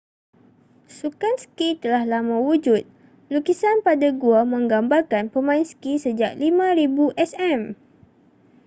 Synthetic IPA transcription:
sukansə̥kit̪əlahlamãwud͡ʒut̪̚ | lukisanpadaɡuamə̃ŋɡambarkanpəmãinsə̥kisəd͡ʒaʔ̚limãɾibuʔɛsɛm

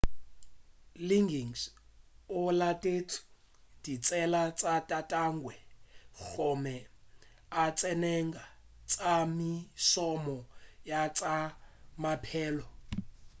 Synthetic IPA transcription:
liŋɡiŋs | ɔlatʼet͡sʰu̥ | d̥it͡sʼɛlat͡sʼatʼatʼaŋɡwɛɣɔmɛ | at͡sʼɛnɛŋɡa | t͡sʼamisɔmɔjat͡sʼamapʰɛːlɔ

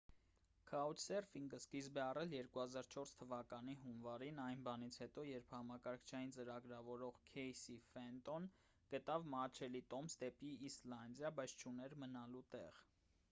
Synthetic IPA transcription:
kʰɑut͡ʃʰsɛrfiŋɡəskizbɛɑrɛljɛɾkuhɑzɑɾt͡ʃʰɔɾst̪ʰəvɑkɑniɦunvɑɾinɑjnbɑnit͡sʰhɛt̪ɔjɛɾpʰhɑmɑkɑɾkʰt͡ʃʰɑjint͡səɾɑɡɾɑvɔɾɔʁkʰɛjsifɛnt̪ɔn | ɡ̥ət̪ɑvmɑɾt͡ʃʰɛlit̪ɔmsd̪ɛpiːslɑnd̪jɑbɑjt͡sʰt͡ʃʰunɛɾmənɑlut̪ɛ̰ʁ

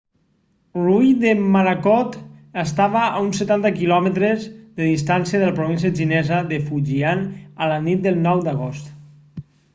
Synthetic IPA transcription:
rujðemaɾakɔt̪əst̪aβəʔaunsət̪ant̪əkilɔmət̪ɾezðəðist̪ansiəðələpɾoβins̬iəʒinɛzəðəfuʒianələnit̪̚d̪əlˠnɔwd̪əɣ̞ost̪

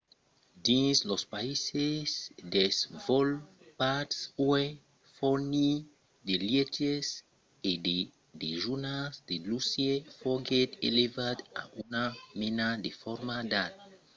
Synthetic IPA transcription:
dislɔspaisesdɛsvɔl | patswɛ | fɔni | delietes | ede | deʒunasdelusiefɔɡɛtḛlevadã̰ʔunamɛnadefɔɾmadat̚

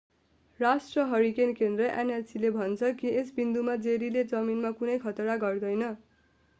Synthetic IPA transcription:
rasʈrʌɦʌɾikenkend̪rʌʔenelsilebʱʌnt͡sʰʌkiesbind̪umad͡zeɾiled͡zʌminmakunʌjkʰʌt̪ʌɾaɡʌrd̪ʌjnʌ

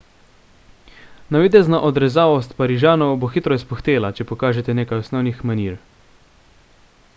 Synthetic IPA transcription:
naʋid̪ɛznaʔɔd̪ɾɛzaːʋɔst̪paɾiʒaːnɔwboxit̪ɾɔispɔxt̪eːlat͡ʃɛpɔkaːʒɛt̪ɛneːkajɔsnɔwnixmaniɾ

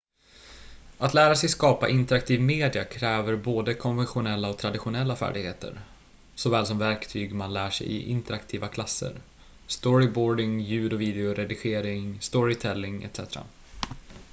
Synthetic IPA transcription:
at̪læːɾasɛjskɑːpa̰ʔɪnt̪əɾakt̪ʰiːvmeːd̪ɪakʰɾɛːvəɾboːd̪əkʰɔnvɛnɧʊnɛlːaɔk̚t̪ʰɾad̪ɪɧʊnɛlːafæ̰ːɖɪɡheːt̪ə̰ɾ | sɔvɛːls̬ɔmvæɾkt̪ʰyːɡmanlæːʂɛ̰jɪ̰ʔɪ̰nt̪əɾakt̪ʰiːvakʰlasːə̰ɾ | st̪ɔɾɪbɔːɖɪŋjʉ̟ːd̪ɔviːd̪ɛʊɾɛd̪ɪɧeːɾɪŋst̪ɔɾɪt̪ʰɛlːɪŋɛ̰t̪sɛt̪ɾa̰

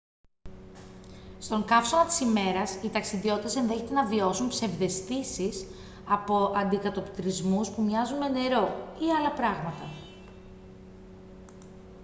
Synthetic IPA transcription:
st̪o̞ŋkɐfsomɐt̪i̥sime̞ɾɐsit̪ɐksiðio̞t̪it̪e̞se̞nðe̞çe̞t̪e̞nɐvio̞sumpse̞vðe̞st̪isis | ɐpo̞ʔɐnd̪ikɐt̪o̞pt̪ɾizmuspumɲɐzune̞ne̞ɾo̞iɐlɐpɾɐɣmɐt̪ɐ

